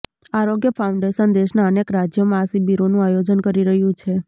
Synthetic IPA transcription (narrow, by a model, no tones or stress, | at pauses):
aɾoɡjəpʰauɳɖeʃənd̪eʃnaənekɾad͡ʒjomãːsibiɾonũajod͡ʒənkəɾiɾəɦjũt͡ʃʰe